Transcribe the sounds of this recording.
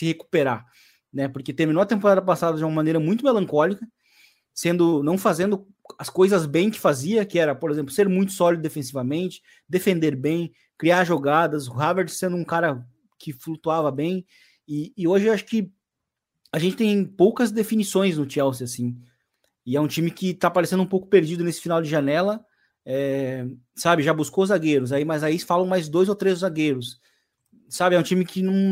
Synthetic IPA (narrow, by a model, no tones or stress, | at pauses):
sɪheku̥peɾa | nɛpoɾket̪eɾminoɐt̪ẽmpoɾad̪ɐpasad̪ɐd͡ʒɪũmɐmɐ̃nejɾɐmũj̃t̪ʊmelɐ̃ŋkɔlikɐ | sẽnd̪ʊnɐ̃w̃fazẽnd̪ʊ | ɐskojzɐzbẽj̃kɪ̥faziɐkɪɛɾɐpoɾezẽmplʊseɾmũj̃t̪ʊ̥sɔlid̪ʊd̪efẽsivɐmẽnt͡ʃɪ̥ | d̪efẽnd̪eɾbẽj̃ | kɾiaɾʒoɡad̪ɐsɦaveɾsẽnd̪ʊũkaɾɐ | kʰɪflut̪uavɐbẽj̃ | ɪːoʒɪaʃʊ̥kɪ | aʒẽnt͡ʃɪt̪ẽj̃powkɐzd̪efinisõj̃znʊt͡ʃɛwsɪasĩ | ɪɛũt͡ʃĩmɪkɪt̪apaɾesẽd̪ũpowkʊ̥peɾd͡ʒid̪ʊnesɪ̥finawd͡ʒɪʒanɛlɐ | ɛ | sabɪʒabuskozaɡeɾʊz̬aimɐzaifalɐ̃w̃majzd̪ojzowt̪ɾezzaɡeɾʊsː | abɪɛũt͡ʃĩmɪkɪnɐ̃w̃